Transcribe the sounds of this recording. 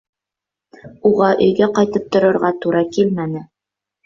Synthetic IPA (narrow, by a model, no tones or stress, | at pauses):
uʁɑʔɵ̆jɡæqɑjt̪ɤp̚t̪ŏɾɤ̆ɾʁɑt̪uɾɑkilmænɘ